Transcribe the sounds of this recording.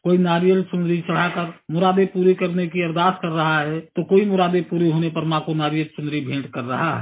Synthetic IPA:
koːinaːɾijəlsʊnd̪ɾit͡ʃəɽ̤akəɾmʊɾaːd̪epuːɾikəɾnekiɐɾd̪aːskəɾːəɦaɦɛt̪okoːimʊɾaːd̪epuːɾiɦonepəɾmãkonaːɾijəlsʊnd̪ɾibʱẽːɖkəɾːəɦaɦɛ̰

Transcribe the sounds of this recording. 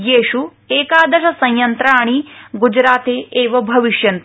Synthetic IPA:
jeːʂu | eːkaːd̪ɐʃɐsɐ̃j̃jɐnt̪ɾaːɳ̃iɡud͡ʒɾaːt̪eːeːʋɐbʱɐʋiʃjɐnt̪

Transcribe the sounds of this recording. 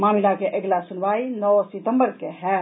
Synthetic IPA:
maːmilakeʔeɡlasunʋaːinɔsit̪əmbəɾkeɦɛ

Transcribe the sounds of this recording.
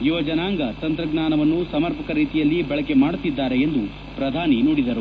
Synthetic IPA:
juʋɐd͡ʒɐnaːŋɡɐt̪ɐnt̪ɾɐɡnaːnɐʋɐnːusɐmɐɾpɐkɐɾiːt̪ijɐlːibɐɭɐke̞maːɽut̪ːid̪ːaːɾe̞end̪u | pɾɐd̪ʱaːninoːɽid̪ɐɾu

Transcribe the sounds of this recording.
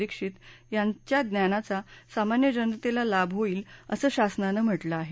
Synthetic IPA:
ikʂit̪ | jat͡ɕjad̪njanat͡sasamanjəd͡ʑənɾət̪elalabʱɦoiːləsəːɕasnanəm̤əʈlaːɦe

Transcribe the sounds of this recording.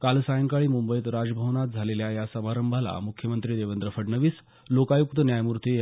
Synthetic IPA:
kalsajəŋkaɭiːmumbəjt̪ɾad͡zbʱəʋnat̪̚d͡zʱaleljajasəmaɾəmbʱala̰mukʰjəmənt̪ɾiːd̪eʋənd̪ɾəfəɽnəʋiːs | lokajuk̚t̪ənjajmuɾt̪i

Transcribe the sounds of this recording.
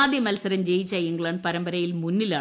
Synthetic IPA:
aːd̪jɐmɐlsɐɾɐmd͡ʑejːit͡ɕːɐiŋɡɭɐːɳɖ̚pɐɾɐmbɐɾɐjilmunːilaː

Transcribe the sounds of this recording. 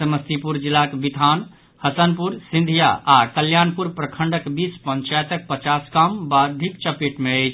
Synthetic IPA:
səməst̪ipuɾd͡ʒilakbit̪an | həsənpuɾsind̪ʱijaʔakəljanpuɾpɾəkʰəɳɖəkbispəɲt͡ʃajt̪ək̚pət͡ʃaskambad̪ʱikt͡ʃəpiʈmeəjt͡ʃʰ

